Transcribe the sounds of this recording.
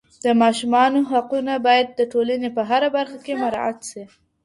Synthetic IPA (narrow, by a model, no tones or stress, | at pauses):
d̪̥əmɑʃumɑnoɦaqunabɑjad̪̚ːəʈolanepəɦaɾabaɾxakemaɾɑ̰ʔa̰t̪si